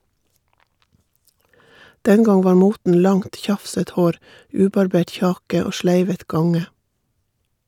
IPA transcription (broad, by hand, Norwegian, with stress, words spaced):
ˈdɛn ˈɡɑŋ ˈʋɑːɾ ˈmuːtn̩ ˈlɑŋt ˈçɑfsət ˈhoːɾ ˈʉːbɑɾˌbeːʈ ˈçɑːkə ˈoː ˈʃlæɪʋət ˈɡɑŋə